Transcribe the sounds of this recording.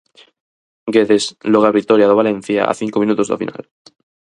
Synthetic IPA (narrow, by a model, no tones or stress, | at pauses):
ɡeðesloɣaɾβit̪oɾjaðoβalẽn̟θja̰a̰θiŋkomĩnut̪ozðḛfḭnʔa̰l